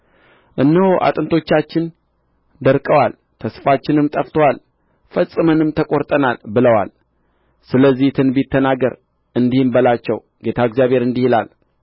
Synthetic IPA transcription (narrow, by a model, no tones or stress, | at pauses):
ʔɨnːɨhoʔa̰t̪ʼɨnt̪ʰo̞t͡ʃːat͡ʃːɪn | d̪əɾkʼəwal | t̪ʰəsfat͡ʃːɪnɨmt̪ʼəft̪ʰəwal | fəsʼɨmənɨmt̪ʰəkʼo̞ɾt̪ʼənalbɨləwa̰l | sɨləzːiht̪ʰɨnbit̪ʰːənaɡəɾ | ʔɨnd̪ihɨmbəlat͡ʃːɛw | ɡe̞t̪ʰaəɡzjaβe̞ɾɨnd̪ihilal